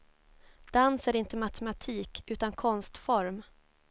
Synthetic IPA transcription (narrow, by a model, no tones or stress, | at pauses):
d̪̥ansæɾɪnt̪əmat̪ʰɛmat̪ʰiːkʉ̟ːt̪ankʰɔnst̪fɔɾm